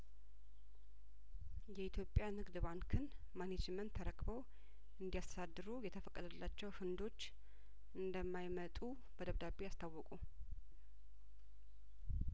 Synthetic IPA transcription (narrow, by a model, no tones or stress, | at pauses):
jɛit̪ʰjo̞pʼːjanɨɡd̪ɨβankʰɨn | maned͡ʒmənt̪ʰːəɾəkʼbow | ʔɨnd̪ijast̪ʰə̥sad̪ːɨɾujɛt̪ʰəfəkʼːəd̪əlːat͡ʃːɛwhɨnd̪o̞t͡ʃː | ʔɨnd̪əmːajmət̪ʼu | bəd̪əβd̪abejast̪ʰawːɔkʼu